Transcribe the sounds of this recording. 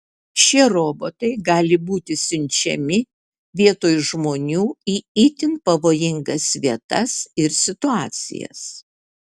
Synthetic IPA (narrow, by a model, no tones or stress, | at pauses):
ʃʲiɛɾoːbot̪ɐɪɡɑːlʲɪbuːt̪ʲɪsʲʊnʲt͡ʃʲɛ̰mʲɪ | ʋʲiɛt̪oːjʊʒmoːnʲuːiːɪːt̪ʲɪnpɐʋoːjɪŋɡɐsʋʲiɛt̪ɐsɪɾsʲɪt̪ʊɑːt̪sʲɪ̰jɛ̰s